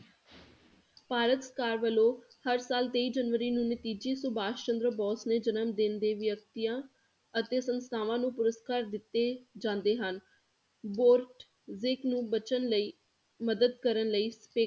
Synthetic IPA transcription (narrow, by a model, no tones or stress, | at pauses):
paːɾət̪sə̥kaːɾʋəlõː | həɾsaːlt̪eiːd͡ʒənʋəɾiːnũːnɪt̪iːd͡ʒiːsʊbaːʃt͡ʃə̃nd̪ɾəbɔːsneːd͡ʒənəmd̪ɪnd̪eːʋjək̚t̪ijãː | ət̪eːsənst̪ʰaːʋãːnũːpʊɾəskaːɾd̪ɪt̪ːeːd͡ʒãːnd̪eːɦən | boːɾʈ | zɪknũːbət͡ʃənləiː | məd̪əd̪̚kəɾənləiːspeː